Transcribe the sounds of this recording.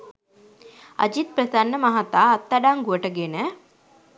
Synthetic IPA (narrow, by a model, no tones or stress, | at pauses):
ɐ̰d͡ʒit̪̚prəsanːəmaɦat̪aːt̪ːaɖaŋɡuʋəʈəɡenə